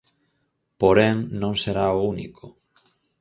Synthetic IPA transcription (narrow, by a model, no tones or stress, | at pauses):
poɾɛŋnõŋseɾaounḭkʰʊ